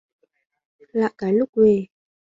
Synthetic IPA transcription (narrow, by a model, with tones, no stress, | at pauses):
la̰˧˨ʔkaː˨˩lʊ˦˥k̚we˧˨